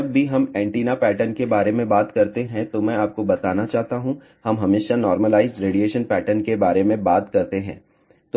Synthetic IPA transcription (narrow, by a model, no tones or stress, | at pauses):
ɐbːiɦɐmɛ̃ːɳʈiːnapɛːʈənkebaːɾemẽbaːt̪kɐɾt̪eɦɛ̃t̪omɛ̃aːp̚kobɐt̪aːnat͡ʃaːɦt̪aɦũ | hɐmɦɐmeːʃanɔːɾməlaːɪzɖɾeːɖijeːʃənpɛːʈəɾnkebaːɾemẽbaːt̪kɐɾt̪eɦɛ̰̃ː | t̪o